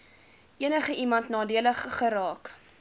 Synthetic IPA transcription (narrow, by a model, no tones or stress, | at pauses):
ʔiənəχəʔimɐntnɑːdiələχːəɾɑːk